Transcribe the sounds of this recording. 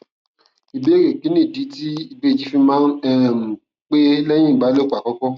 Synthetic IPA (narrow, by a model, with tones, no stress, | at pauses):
i˨be˦˨ɾe˨ki˨˦nĩ˦˨di˨˦ti˦i˧˨be˦˧d͡ʒi˦fi˧mãː˦nɛ˦˨m̩˨ | k͡pe˦lɛ˦j̃ĩ˦˨ba˨˦lo˦ku˨a˨kɔ˦kɔ˦